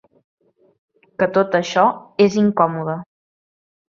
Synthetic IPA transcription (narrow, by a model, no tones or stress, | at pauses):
kət̪ot̪əʃɔeziŋkɔmuðə